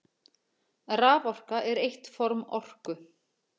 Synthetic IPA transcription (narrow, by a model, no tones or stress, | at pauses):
raːvɔr̥kaʔɛɾejht̪fɔɾmɔr̥kʏ